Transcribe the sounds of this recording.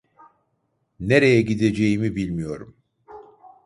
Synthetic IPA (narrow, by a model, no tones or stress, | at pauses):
neɾejɛɟid̪e̞d͡ʒejimibilʲmijo̞ɾum